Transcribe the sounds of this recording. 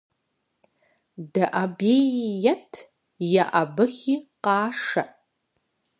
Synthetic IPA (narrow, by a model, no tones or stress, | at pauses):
daʔabejjatʰ | jaʔabɨχʲiqɑːʂaʔ